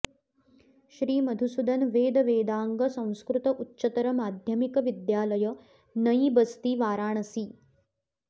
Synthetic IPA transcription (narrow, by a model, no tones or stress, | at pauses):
ʃɾiːmɐd̪ʱusud̪ɐnʋeːd̪ɐʋeːd̪aːŋɡɐsɐ̃w̃skɾut̪ɐʔutːt͡ʃɐt̪ɐɾɐmaːd̪ʱjɐmikɐʋid̪jaːlɐjɐ | nɐjibɐst̪iʋaːɾaːɳɐsi